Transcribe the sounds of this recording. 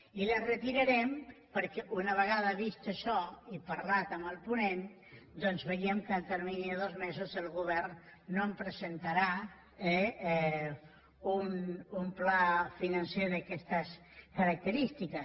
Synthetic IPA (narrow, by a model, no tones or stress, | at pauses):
ilərət̪iɾəɾɛmpəɾkɛʔunəβ̞əɣ̞aðəβist̪əʃɔipɐɾlat̪əməlˠpunen | d̪ɔnzβəiəmkəlt̪əɾminiəðozmezozəlˠɣuβɛɾnːompɾəzent̪aɾa | ɛ | unumplafinɐnseðəkɛst̪əs | kəɾək̚t̪əɾist̪ikə